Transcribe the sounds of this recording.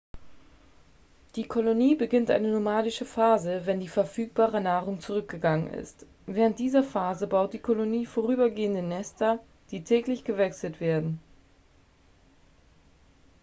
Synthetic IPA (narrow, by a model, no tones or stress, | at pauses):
d̥iːkʰoloniːbəɡɪntʔa̰ɪnənomaːdɪʃəfaːzəvɛndiːfɛɐfyːk̚b̥aːʁənaːʁʊŋt͡suʁ̞ʏk̚ɡ̥əɡaŋənɪ̰st | vɛːʁəntd̥iːzɐfaːzəbaʊt̚d̥iːkʰoloniːfoʁ̞yːbɐɡeːəndənɛstʰɐ | d̥iːtʰɛːklɪçɡ̥əvɛksl̩tv̥eːɐdn̩